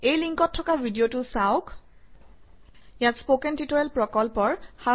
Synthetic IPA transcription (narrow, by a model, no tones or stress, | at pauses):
ejliŋkɔtʰːɔkabʱidiotʊsaʊk | jatspokɛntitɔɹɛlpɹɔkɔlpɔɹxa